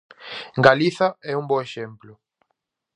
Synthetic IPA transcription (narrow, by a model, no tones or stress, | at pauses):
ŋɡaliθɐɛuŋboeʃemplʊ